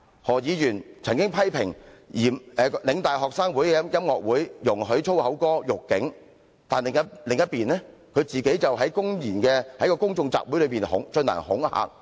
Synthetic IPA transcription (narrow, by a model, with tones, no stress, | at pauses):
hɔː˨˩jiː˨˧jyː˨˩nt͡sʰɐ˨˩ŋkɪ˥ŋpʰɐ˥jpʰɪ˨˩ŋjiː˨˩mɛː˨˧lɪ˨˧ŋt̪aː˨˩jɦɔː˨k̚saː˥ŋwuː˨˥jɛ˨˥jɐ˥mŋɔː˨k̚wuː˨˥jjʊ˨˩ŋɦɵ˨˥ɥt͡sʰo˥whɐ˨˥wkɔː˥jʊ˨kːɪ˨˥ŋ | t̪aː˨nlɪ˨˩ŋɐ˥lɪ˨ŋjɐ˥t̚piː˨nlɛː˥ | kʰɵ˨˧ɥt͡siː˨ke˨˥jt͡sɐ˨wɦɐ˨˥jkʊ˥ŋjiː˨˩nkɛː˧hɐ˨˥jkɔː˧kʊ˥ŋt͡sʊ˧ŋt͡sa̰ː˨p̚wu˨˥lɵ˨˧ɥpiː˨nhʊ̰˨˥ŋt͡ʃɵ˧na̰ː˨˩nhʊ˨˥ŋha̰ː˨k̚